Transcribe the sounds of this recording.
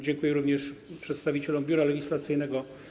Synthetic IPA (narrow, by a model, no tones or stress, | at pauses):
d͡ʑɛŋkujɛɾuvɲɛʂpʂɛt̪st̪avʲit͡ɕɛlɔmbʲjuɾalɛɡʲislat̪sɘjnɛɡɔ